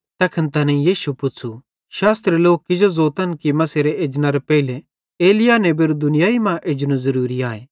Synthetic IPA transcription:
t̪ɐkʰənt̪ɐnɛ̃ijiːʃupʊtːt͡sʰu | ʃaːst̪ɾeloːkːɪd͡ʒozoːt̪ɐnkimɐseɾeeːd͡ʒnaɾɛpɛile | eːlɪjanebeɾd̪ʊnɪjaːimãʔeːd͡ʒnũzɐɾuːɾiaːe

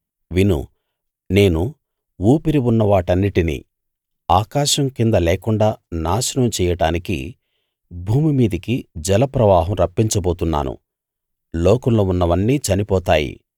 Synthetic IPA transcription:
ʋinṵ | ne̞ːnu | uːpiɾiunːɐʋaːʈɐnːiʈinḭː | aːkaːʃɐmkind̪ɐlɛːkuɳɖaːnaːʃɐnɐmt͡ʃɛːjɐɽaːnikḭ | bʱuːmimiːd̪ɐkid͡ʒɛlɐpɾɐʋaːɦɐmɾɐpːiɲt͡ʃɐboːt̪unːa̰ːnṵ | loːkɐnlo̞ːunːɐʋɐnːiːt͡ʃɐnipɔːt̪aːjḭ

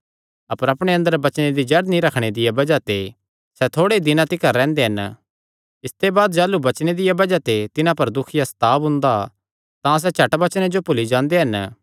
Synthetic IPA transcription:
ɐpəɾɐpɽ̃eɐ̃nd̪əɾbɐt͡ʃñed̪id͡ʒɐɾd̪nĩɾɐkʰɽ̃ed̪ɪjabɐd͡ʒat̪e | sɛt̪ʰoːɽeid̪ɪnãt̪ɪkəɾːɛ̃ːnd̪eɦɐn | ɪst̪ebaːd̪d͡ʒɛːlːubɐt͡ʃɽ̃ed̪ɪjabɐd͡ʒat̪et̪ɪnãpɐɾd̪ʊkʰɪjast̪aːbɦʊ̃ːnd̪a | t̪ãs̬ɛt͡ʃʰɐʈbɐt͡ʃñed͡ʒopʊlid͡ʒãːnd̪eɦɐn

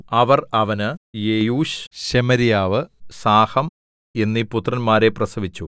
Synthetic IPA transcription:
ɐʋɐrɐʋɐnɨjejuːɕɕemɐɾijaːʋɨsaːhɐm | e̞nːiput̪ːrɐnmaːɾe̞prɐsɐʋit͡ɕːu

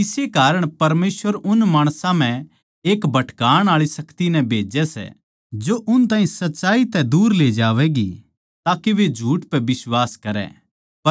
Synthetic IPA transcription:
ɪsekaːɾəɽ̃pɐɾmeːsʋəɾʊnmaːɽ̃sãm̤ɛ̃ | eːkbʱɐʈʰkaːɽ̃aːɭisɐkt̪inɛ̃bʱeːd͡ʒɛsɛ̰ | d͡ʒoʔʊnt̪̬aːɦĩsɐtːʃaːit̪ɛd̪uːɾleːd͡ʒaːʋɛɡi | t̪aːkeʋed͡ʒʱuːʈpɛbɪswaːskɐɾɛ̰̃ | pɐ

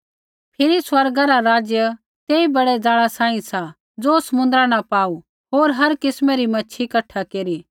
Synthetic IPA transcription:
pʰɪɾiswɐɾɡaɾaɾaːd͡zjə | t̪eːibɐɽɛd͡zaːɭasãːĩsa | d͡zoːsɐmʊ̃nd̪ɾanapaːu | ɦoːɾɦɐɾkɪsmɛɾimɐːʃʰikɐʈʰakeːɾiː

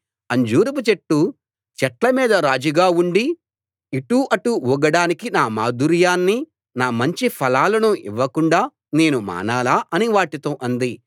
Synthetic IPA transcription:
ɐɲd͡ʒuːɾuput͡ʃeʈːu | t͡ʃɛʈlɐmiːd̪ɐɾaːd͡ʒiɡaːuɳɖi | iʈuːʔɐʈuuɡɐɽaːnikinaːmaːd̪uɾjaːnːi | naːmɐɲt͡ʃipʰɐlaːlɐnuʔḭʋːɐkuɳɖaː | ne̞ːnuma̰ːnaːlaːʔɐniʋaːʈit̪oːʔɐnd̪i

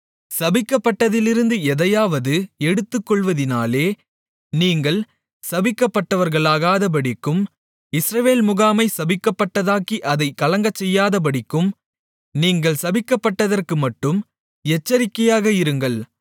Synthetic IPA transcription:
sɐbɪkːɐpːɐʈːɐðɪlɪɾɯnd̪ɯɛðɐjaːʋɐðɯɛɽɯt̪ːɯkːɔɭʋɐðɪnaːleː | niːŋɡɐɭ | sɐbɪkːɐpːɐʈːɐʋɐɾɣɐɭaːɣaːðɐp̬ɐɽɪkːɯm | ɪsɾɐʋeːlmʊɣaːmɐɪsɐbɪkːɐpːɐʈːɐðaːkiʔɐðɐɪkɐlɐŋɡɐt͡ʃːɛjːaːðɐp̬ɐɽɪkːɯm | niːŋɡɐɭsɐbɪkːɐpːɐʈːɐðɐrkɯmɐʈːɯm | ɛt͡ʃːɐɾɪkːɐjaːɣɐɪɾɯŋɡɐɭ

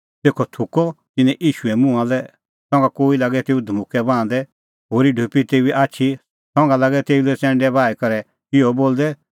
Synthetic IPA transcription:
t̪eːkʰɔt̪ʰʊkɔ | t̪ɪnɛ̃ʔiːʃuɛmʊ̃ãlɛ | sɔ̃ŋɡakoːilaɡɛt̪eːud̪ʱmʊkɛbãːnd̪ɛ | ɦoːɾiɖʱupit̪eːiʔaːtːʃʰi | sɔ̃ŋɡalaɡɛt̪eːulɛt͡sɛ̃ːɳɖɛbaːikɐɾɛ | ɪɔboːld̪ɛ

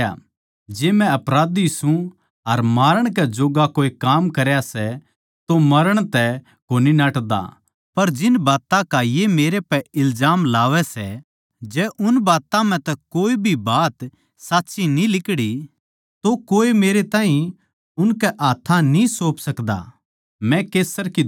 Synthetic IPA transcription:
a̰ | d͡ʒeːmɛ̃ɐpɾaːd̪isũ | ɐɾmaːɾəɽ̃k̬ɛd͡ʒoːɡakoːekaːmkɐɾjasɛ | t̪omɐɾəɽ̃t̪ɛ | koːninaːʈd̪a̰ | pɐɾd͡ʒɪnbaːt̪ãkajemeːɾepɛɪlzaːmlaːʋɛsɛ | d͡ʒɛːʔʊnbaːt̪ãm̤ɛ̃t̪ɛkoːibʱibaːt̪ | saːtːʃinĩlɪkɽi | t̪okoːemeːɾet̪ãːɦĩ | ʊnkɛʔaːt̪ʰãnĩsoːpsɐkd̪a̰ | mɛ̃keːsəɾki

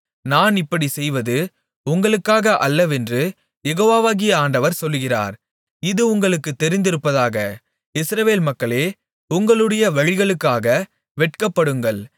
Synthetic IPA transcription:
naːnɪpːɐɽisɛjʋɐðɯ | ʊŋɡɐɭɯkːaːɣɐʔɐlːɐʋɛndrɯ | jɛɣoːʋaːʋaːɣɪjaːɳɖɐʋɐɾsɔlːɣɪra̰ːɾ | ɪðɯʊŋɡɐɭɯkːɯt̪ːɛɾɪnd̪ɪɾɯpːɐðaːɣɐ | ɪsɾɐʋeːlmɐkːɐɭeː | ʊŋɡɐɭɯɽɐjɐʋɐɻɪɣɐɭɯkːaːɣɐ | ʋɛʈ̚kɐpːɐɽɯŋɡɐɭ

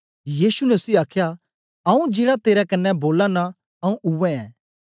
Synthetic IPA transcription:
jiːsunɛʊsiaːkʰja | ɐũd͡ʒeːɽat̪eːɾɛkɐnːɛboːlana | ɐ̃ũʔʊʋɛ̃ɛ̰̃ː

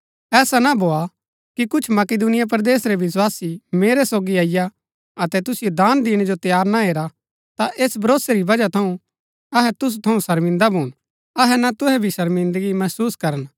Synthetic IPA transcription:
ɛːsanabʱoːa | kikʊt͡ʃʰmɐked̪unɪjap̬ɾd̪eːsɾeʋɪs̬waːsimeːɾɛsoːɡiaːɪja | ɐt̪ɛt̪ʊsɪjod̪aːnd̪iːɽ̃ed͡ʒot̪jaːɾnaɦeːɾa | t̪aʔeːsbʱɐɾoːseɾibɐd͡ʒat̪ʰɐũ | ɐɦɛt̪ʊs̬ut̪ʰɐũsɐɾmɪ̃nd̪abʱuːɽ̃ | ɐɦɛnat̪ʊɦɛbʱisɐɾmɪ̃nd̪əɡimɐsuːskɐɾən

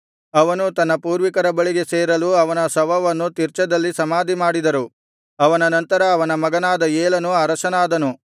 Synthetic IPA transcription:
ɐʋɐnut̪ɐnːɐpuːɾʋikɐɾɐbɐɭiɡe̞seːɾɐluɐʋɐnɐsɐʋɐʋɐnːut̪iɾt͡ʃɐd̪ɐlːisɐmaːd̪ʱimaːɽid̪ɐɾu | ɐʋɐnɐnɐnt̪ɐɾɐːʋɐnɐmɐɡɐnaːd̪ɐeːlɐnuaːɾɐʃɐnaːd̪ɐnu

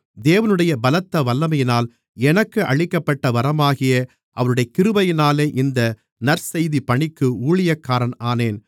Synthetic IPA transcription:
d̪eːʋɐnɯɽɐjɐbɐlɐt̪ːɐʋɐlːɐmɐjɪnaːl | ɛnɐkːɯʔɐɭɪkːɐpːɐʈːɐʋɐɾɐmaːɣɪjɐ | ʔɐʋɐɾɯɽɐjɐkɪɾɯbɐjɪnaːleːʔɪnd̪ɐ | nɐɾsɛjðipɐɳɪkːɯuːɭɪjɐkːaːɾɐnaːneːn

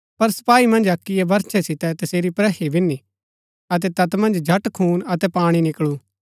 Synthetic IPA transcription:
pɐɾsɐ̥paːimɐ̃nd͡ʒɐkːijebɐɾt͡ʃʰɛsɪt̪ɛt̪ɐseːɾipɾɛɦibɪni | ɐt̪̬ɛt̪ɐt̪mɐ̃nd͡ʒd͡ʒʱɐʈkʰuːnɐt̪ɛpaːɽ̃inɪkɭu

